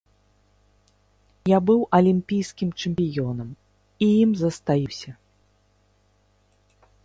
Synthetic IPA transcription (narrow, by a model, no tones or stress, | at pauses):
jabɨwʔɐlʲimʲpʲijskʲimt͡ʂɛmʲpʲijɔnɐm | ijimzɐst̪ajiwsʲɐ